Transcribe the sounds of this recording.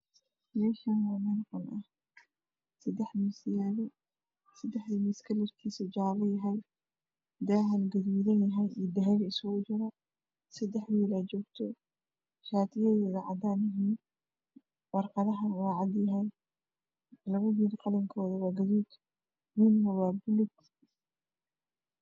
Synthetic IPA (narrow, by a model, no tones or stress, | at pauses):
mɛːʃanwɑːmɐnqɔnʔɐh | sɐd̪ɛħmɪsjaːβɐ | sɐd̪ɛħðimɪskʰɐlɪrk̪ʰiːsɐd͡ʒaːβɐjɐɦɛj | d̪aːɦɐlɡɐðuːðɐnjɐɦɛjʔḭːd̪ɐɦɛɣɐɪsɣɔːt͡ʃɪɾɐ | sɐd̪ɛħwiːlaːt͡ʃɔːɡt̪ʰɔ | ʃaːt̪ʰɪjɛðɛːðɐʕɑ̰d̪aːnɪɦiːn | wɑrqɑðɐɦɐnwːʕɑd̪jɐɦɛj | lɐβɐwiːlqɑlɐŋkʰɔːðɐwɑːɡɐðuːd̪ | mɪnnɐwɑːbʊlʊɡ